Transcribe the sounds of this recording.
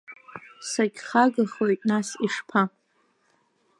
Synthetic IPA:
saɡʲχaɡaχojtʼnasiʂpʰa

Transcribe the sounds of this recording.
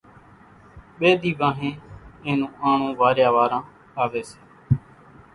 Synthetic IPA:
ɓeːd̪iːbãːɦẽːẽːnũːʔaːɳõːʋaːɾjaːʋaːɾãː | aːʋeːse̥ː

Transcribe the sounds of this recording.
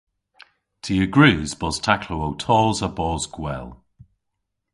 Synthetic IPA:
tʰiəɡɹʉːzbɔz̥tʰakʰlowowtʰɔːzəbɔːzɡ̥wɛ̰lˠ

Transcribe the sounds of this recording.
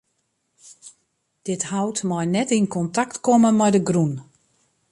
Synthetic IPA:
d̥ɪthawtmɔjnɛtinkɔntaktkɔməmɛjdəɡrun

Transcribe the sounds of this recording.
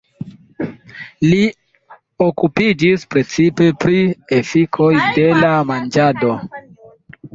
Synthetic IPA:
li | okupid͡ʒispɾe̞t͡sipe̞pɾiefikʰo̞jde̞lamand͡ʒado̞

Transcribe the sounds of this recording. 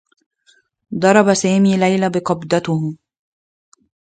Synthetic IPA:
d̪ˤɑɾˤɑbasaːmiːlajlabɪqɑbd̪at̪ʊh

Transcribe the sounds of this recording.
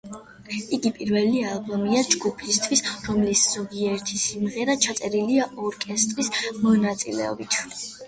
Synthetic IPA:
iɡipʼiɾvɛlialˠbɔmiad͡ʒɡupʰist̪ʰwisɾɔmlisz̥ɔɡiɛɾt̪ʰisimʁɛɾat͡ʃʰat̪sʼɛɾiliaʔɔɾkʼɛst̪ʼɾismɔnat̪sʼḭlɛ̰ɔ̰bit̪ʰ

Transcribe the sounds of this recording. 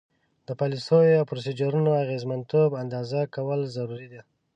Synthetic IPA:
d̪̥əpɑlisojawpɾos̬ed͡ʒaɾunoaɣezmant̪oband̪ɑzakawəlzaɾuɾid̪a

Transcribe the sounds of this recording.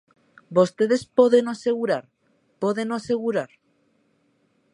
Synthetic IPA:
bo̞st̪e̞ðe̞spoðenase̞ɣ̞uɾaɾ | poðenase̞ɣ̞uɾaɾ

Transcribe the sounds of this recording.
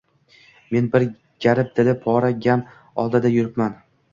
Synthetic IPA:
me̞nbɪɾ | ɡ̥ʲaɾɪp̚t̪ʰɪlɪpʰɒɾaɡʲam | ɒ̰lˠd̪ɪd̪ajʊɾɪpman

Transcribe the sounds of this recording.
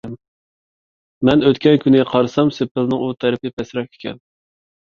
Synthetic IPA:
m | mɛnøt̪kʲɛnkʲynʲqʰɑɾɨsɑmsepʰːɪlnɨŋut̪ʰɛɾɪpɪpʰɛsɾɑkʲʰe̥kʲʰɛ̰n

